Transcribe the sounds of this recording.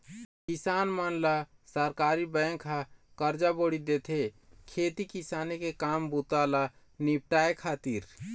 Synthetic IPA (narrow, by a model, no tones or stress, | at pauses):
kisaːnmənlasəɾkaːɾibəŋkʰakəɾd͡ʒaboːɽid̪et̪ʰekʰeːt̪ikisaːnekekaːmbut̪ala | nip̚ʈaːekʰaːt̪iɾ